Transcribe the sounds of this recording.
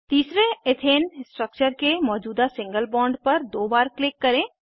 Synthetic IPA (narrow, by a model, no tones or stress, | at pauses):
t̪iːsɾeɪt̪ʰeːnsʈɾək̚t͡ʃəɾkemɔːd͡ʒuːd̪asɪ̃ŋɡəlbɔ̃ːɳɖpɐɾd̪oːbaːɾklɪkːɐɾẽː